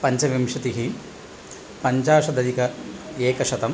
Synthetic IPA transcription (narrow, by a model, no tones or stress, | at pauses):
pɐɲt͡ʃɐʋimʂɐt̪iɦi | pɐɲt͡ʃaːʂɐd̪ɐd̪ikɐeːkɐʂɐt̪ɐm